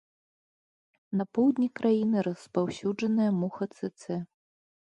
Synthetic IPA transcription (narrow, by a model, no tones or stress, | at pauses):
nɐpɔwd̪ʲnʲikɾʔajinɨɾɐspawsʲud͡ʐɐnɨjɐmuxɐt̪sɛt̪sɛ